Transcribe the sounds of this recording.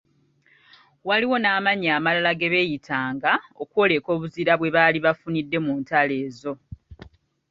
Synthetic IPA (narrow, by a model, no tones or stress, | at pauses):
waliwo̞naːmaɲaːmalalaɡe̞βe̞ːjitʰaːŋɡao̞kwo̞ːle̞ko̞ːβuziɾaβwe̞βaːliβafunidːe̞muːntale̞ːzo̞